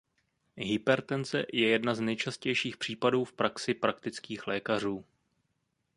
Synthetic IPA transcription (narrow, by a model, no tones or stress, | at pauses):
ɦɪpɛɾt̪ɛnt͡sɛ̰jɛjɛdnaznɛjt͡ʃascɛjʃiːxpr̥iːpaduːfpɾaksɪpɾakt̪ɪt͡skiːxlɛːkar̝uː